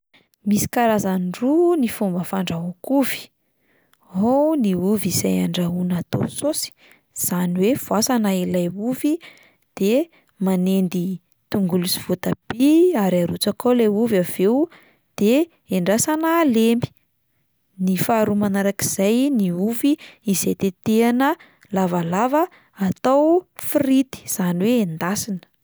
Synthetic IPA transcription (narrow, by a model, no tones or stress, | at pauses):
misi̥kaɾazanɖ͡ʐunifombəfaɳɖ͡ʐaɦokuvi̥ | ɦoniuvizajaɳɖ͡ʐaunat̪o̰sosi̥ | z̥aniwev̥uasanaelajuvi | d̪̥e | manend̪i | t̪uŋɡulusi̥v̥ot̪ab̥iaɾiaɾut͡sakoleuvav̥eu | d̪̥e | eɳɖ͡ʐasanaːlembi̥ | nifaːɾumanaɾakiz̥ajniuviːzet̪et̪eanə | lavalavə | at̪awfirit̪i̥z̥aniweend̪asinə̥